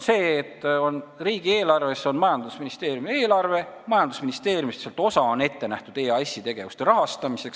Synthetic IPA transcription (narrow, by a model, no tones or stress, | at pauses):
se̞ːt̪ːo̞nriːɡ̥ie̞ːlɑrve̞sːo̞nmɑjɑnd̪usminist̪e̞ːɾjumie̞ːlɑrve̞mɑjɑnd̪̥usminist̪e̞ːrjumist̪selt̪ˑo̞sɑo̞ne̞t̪ːe̞næht̪ud̪e̞ːɑsʲːit̪e̞ɡ̥e̞vust̪e̞ɾɑɦɑst̪ɑmise̞ks